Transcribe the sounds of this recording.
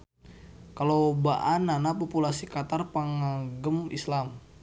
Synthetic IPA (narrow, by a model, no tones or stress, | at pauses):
kalobaʔananapɔpulasikat̪arpəŋaɡəmḭslam